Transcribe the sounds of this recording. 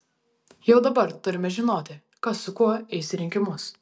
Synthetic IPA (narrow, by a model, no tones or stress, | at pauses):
jɛʊd̪ɐbɐɾt̪ʊɾʲɪmʲɛʒʲɪnoːt̪ʲɪ | kɐsʊkuɔɛɪsʲɾʲɪŋʲkʲɪmʊs